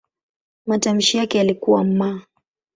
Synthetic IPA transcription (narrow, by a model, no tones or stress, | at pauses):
matam̩ʃijakɛjalikuwam̩ma